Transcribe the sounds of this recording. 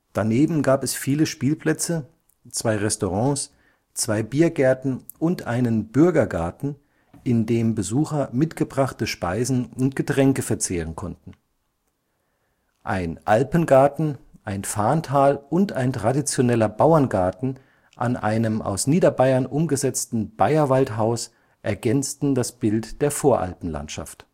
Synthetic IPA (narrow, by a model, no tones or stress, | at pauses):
d̥aneːbm̩ɡaːpɛsfiːləʃpiːlpl̥ɛt͡sə | t͡sv̥aɪʁɛstoʁɑ̃ːs | t͡sv̥aɪbiːɐɡɛɐtn̩ | ʔʊntʔaɪnənb̥ʏɐɡɐɡa̰ɐtn̩ | ʔɪndeːmbəzuːxɐmɪtɡ̥əbʁaχtəʃpaɪzn̩ʊntɡ̥ətʁ̥ɛŋkəfɛɐt͡seːʁənkʰɔntn̩ | ʔa̰ɪnʔalpənɡaɐtn̩ʔaɪnfaːntʰaːlʊntaɪntʁ̥adit͡sjonɛlɐbaʊɐnɡaɐtn̩ | ʔa̰nʔa̰ɪnəmʔa̰ʊsniːdɐbaɪɐnʔʊmɡəzɛt͡stn̩b̥aɪɐvaltɦaʊs | ʔɛɐɡɛnt͡stn̩dasb̥ɪltd̥eːɐfoːɐʔa̰lpn̩la̰ntʃa̰ft